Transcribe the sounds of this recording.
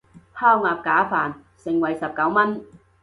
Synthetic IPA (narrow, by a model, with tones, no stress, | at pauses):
pʰaː˥wŋaː˨˧p̚kaː˨˥faː˨˩n | sɪ˨ŋwɐ˨˩jsɐ˨p̚kɐ˨˥wmɐ˥n